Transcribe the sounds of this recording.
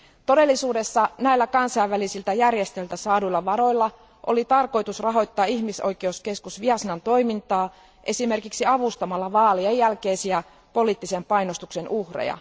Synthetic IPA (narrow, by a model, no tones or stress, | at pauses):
t̪o̞de̞lːisuːde̞sːɑnæilːækɑnsɑiʋʋælisilt̪æjærjest̪elt̪æsɑːduilːɑʋɑɾo̞jlːɑ | ʔo̞̰lit̪ɑrko̞jt̪usrɑɦo̞jt̪ːɑːiçmiso̞jkeuske̞skusʋiɑsnɑnt̪o̞jmint̪ɑː | ʔe̞sime̞rkiksiɑʋust̪ɑmɑlːɑʋɑːliejːælke̞jsiæ | po̞liːt̪ːise̞mpɑjnost̪ukse̞nʔuhrḛjɑ̰